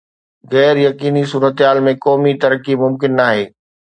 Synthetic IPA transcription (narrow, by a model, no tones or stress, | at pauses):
ɣɛːɾjɐkiːnisuːɾət̪ɦaːlmẽkɔːmit̪ɐɾkimʊmkɪnːaːɦeː